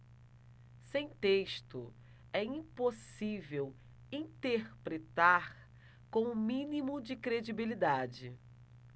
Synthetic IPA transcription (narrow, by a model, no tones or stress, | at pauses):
sẽj̃t̪eʃt̪ʊ | ɛĩposivew | ĩt̪eɾpɾet̪aɾ | kõw̃ʊmĩnimʊd͡ʒɪkɾed͡ʒibilid̪ad͡ʒɪ